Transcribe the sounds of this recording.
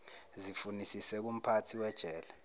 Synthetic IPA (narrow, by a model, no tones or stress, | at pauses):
zifunisisɛk̬um̩pʰatʰiwɛd̥ʒ̥ʱɛːla